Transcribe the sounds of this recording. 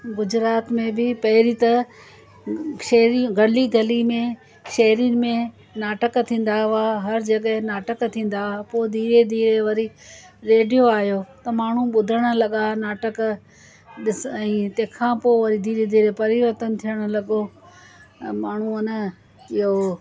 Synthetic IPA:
ɡʊd͡ʑɾaːt̪mẽbɪpɐɦɪɾit̪ɐ | ʃɐɦɾiɡɐliɡʱɐlimẽ | ʃɐɦɾin̆mẽ | naːʈəkt̪ʰĩːn̆d̪aaɦɐɾd͡ʑɐɠəɦẽnaːʈəkt̪ʰĩːn̆d̪apoːd̪iːɾed̪iːɾeʋɐɾiɾeːɖijoaːɦijoːt̪ɐmaːɳ̤ũɓʊd̪ʱəɽ̃ʊ̆lɐɠanaːʈək | ɗɪsɛ̃ːt̪ɐ̃ɦːkʰãːpoːʋɐɾid̪iːɾed̪iːɾepɐɾɪʋəɾt̪ən̆t̪ʰiəɽ̃̆lɐɠo | maːɳ̤uʊnə | ɪɦo

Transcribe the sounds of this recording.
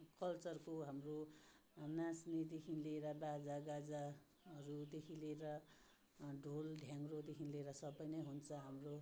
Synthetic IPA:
kʌlt͡sʌrkoɦamro | nasned̪ekʰinleɾʌbad͡zaɡad͡za | ɦʌɾut̪ekʰileeɾʌ | ɖʱolɖʱjaŋrod̪ekʰinleeɾʌsʌbʌjnʌjɦunt͡sʰʌɦamro

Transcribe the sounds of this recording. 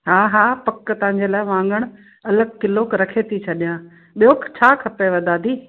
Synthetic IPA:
ɦaːɦaːpɐkːət̪ɐ̃ɦɪ̃ɲ̆d͡ʑelaːɪʋãːŋɡəɽ̃ | ɐləɡ̚kɪloːkɾɐkʰet̪ʰit͡ɕʰɐɗijãː | ɓijoːkt͡ɕʰaːkʰɐpeʋɐd̪ʱaːd̪ʱiː

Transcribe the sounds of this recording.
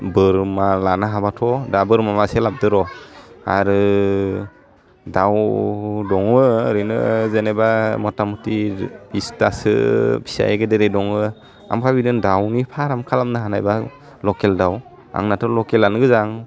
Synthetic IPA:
bɯɾmalanaɦabatʰɔdabɯɾmamaselab̚dɯɾɔa̰ɾɯ | dawdɔŋɯɾɯnɯ̰zenebamɔtamutibistasɯ̰bʰi̥sa̰jɡɯdeɾedɔŋɯ | a̰mkʰabidɯndawnipʰaɾamkʰalamnɯɦanajba | lɔkeldaw | a̰ŋnatʰɔlɔkelanɯɡɯzaŋ

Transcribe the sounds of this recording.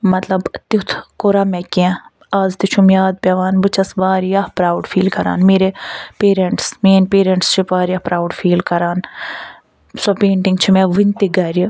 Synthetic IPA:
mɐt̪lɐbt̪it̪ʰkoɾɐmekʲẽ | aːzt̪it͡ʃʰumjaːd̪̚pʲɐʋaːnbɨt͡ʃʰɐsbaːɾjahpɾaːwɖfʰiːlkɐɾa̰ːnmeːɾepeːɾɐɳʈsmeːnʲpeːɾɐɳʈst͡ʃʰipaːɾjɐpɾaːwɖfʰiːlkɐɾaːn | sopeːɳʈiŋɡt͡ʃʰimeʋɨnʲt̪iɡɐɾi

